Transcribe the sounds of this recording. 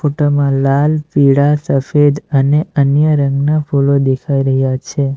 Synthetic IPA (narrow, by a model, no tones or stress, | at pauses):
foʈomãlalpiɽasəfed̪əneənjəɾəŋɡnafʰulod̪ekʰaiɾəɦjat͡ʃʰe